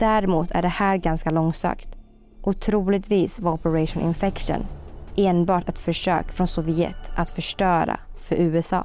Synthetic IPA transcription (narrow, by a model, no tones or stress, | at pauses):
d̪̥æɾmuːt̪ʰæ̰ɖɛhæːɾɡanskalɔŋːsø̰ːkt̪ | ʔʊt̪ʰɾuːlɪt̪viːsvaɔpɛɾɛʂʊnʔɪ̰nfɛkʂʊ̰neːnbɑːʈɛt̪fœʂø̰ːkfɾɔnsɔvɪɛ̰t̪ːat̪fœʂʈœːɾa̰ | fœɾʉ̟ːɛsɑ̰ː